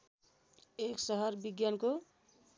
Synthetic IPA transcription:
eksʌɦʌɾbiɡjanko

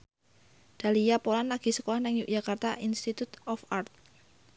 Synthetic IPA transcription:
d̪̥a̤lijapolanlaɡ̥i̤səkolahnɪŋjukdd͡ʒ̥a̤kart̪aʔinst̪it̪ut̪ɔfart̪̚

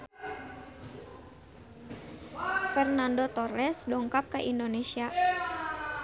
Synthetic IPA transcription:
fɛrnandot̪ɔrɛsdɔŋkap̚kaʔindonesia

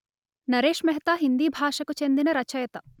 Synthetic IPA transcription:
nɐɾeːʂmɐɦɐt̪aːɦind̪iːbʱaːʂɐkut͡ʃend̪inɐɾɐt͡ʃɐjɐt̪ɐ

